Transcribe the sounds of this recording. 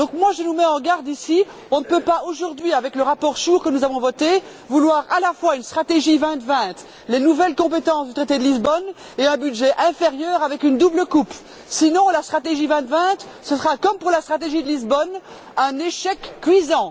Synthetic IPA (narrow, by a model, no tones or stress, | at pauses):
d̪ɔ̃kmwaʒənumɛɑ̃ɡaʁd̪isi | ɔ̃nəpøpaoʒuʁd̪ɥiavɛkləʁapɔʁʃuːʁkənuzavɔ̃vɔt̪e | vulwaʁalafwaynst̪χat̪eʒivɛ̃t̪vɛ̃t̪ | lenuvɛlkɔ̃pet̪ɑ̃sd̪yt̪χet̪ed̪əlizbɔn | eɛ̃byd̪ʒɛʔɛ̃feʁjœːʁavɛkynd̪ubləkup | sinɔ̃last̪χat̪eʒivɛ̃t̪vɛ̃t̪ | səsəʁakɔmpuʁlast̪χat̪eʒid̪əlizbɔn | ɛ̃neʃɛkːɥizɑ̃